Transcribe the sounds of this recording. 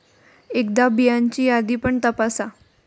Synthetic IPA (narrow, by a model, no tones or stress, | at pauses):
ekd̪abijaɲt͡ɕiːjad̪iːpəɳt̪əpasa